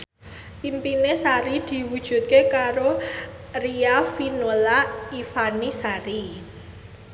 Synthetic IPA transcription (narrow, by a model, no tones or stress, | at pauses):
pimpinesaɾid̪̥i̤wud̥ʒ̥ṳt̪̚kekaɾo | riafinolaifanisaɾi